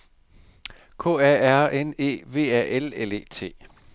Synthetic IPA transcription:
kʰo̝̰ːɛæɐ̰ene̝̰ːʋe̝̰ːɛʔelele̝̰ːt͡sʰe̝̰ː

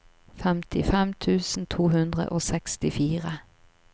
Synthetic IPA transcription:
fɛmt̪ʰɪfɛmt̪ʰʉːsn̩t̪ʰuːhʉnd̪ʁə̰ʔoːsɛkst̪ɪfiːʁə

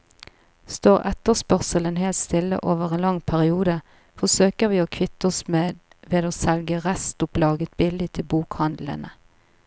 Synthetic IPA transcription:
st̪oːʁɛt̪əʁspœʁsələnɦeːlt̪st̪ɪlːə̰ʔoːʋəʁeːnlɑŋpʰæʁɪuːd̪ə | fɔʁsøːkəʁʋiːoːkʰʋɪt̪ɔsmeːd̪ | ʋeːd̪oːsɛlɡəʁæst̪ʊplɑːɡət̪̚bɪlɪt̪ʰɪlbuːkhɑnd̪l̩ə̰nə

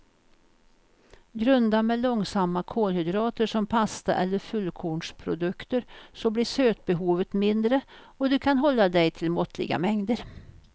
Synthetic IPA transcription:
ɡɾɵnd̪amɛlɔŋsamːakʰoːlhʏd̪ɾɑːt̪əʂɔmpʰast̪a̰ʔɛlːəɾfɵlːkʰuːɳʂpʰɾʊ̰d̪ɵkt̪əɾsɔbliːʂøːt̪̚bɛɦuːvət̪mɪnd̪ɾə | ɔd̪ɵkʰanɦɔlːad̪ɛjt̪ʰɪlmɔt̪ʰlɪ̰ɡa̰mɛŋd̪əɾ

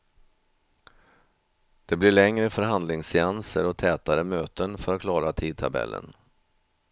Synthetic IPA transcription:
d̪̥ɛblɪɭɛŋɾəfœɾɦand̪lɪŋsːɪansəɾɔt̪ʰɛːt̪aɾəmøːt̪ənfœɾat̪̚kʰlɑːɾat̪ʰiːd̪̚t̪ʰa̰bɛ̰lːʔə̰n

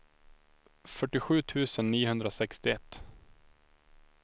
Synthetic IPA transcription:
fœʈːɪɧʉ̟ːt̪ʰʉ̟ːsənːiːɦhɵnd̪ɾasɛkst̪ɪɛt̪ː

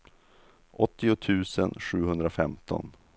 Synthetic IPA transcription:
ʔɔt̪ːɪʊt̪ʰʉ̟ːsənɧʉ̟ːhɵnd̪ɾafɛmt̪ʰɔ̰n

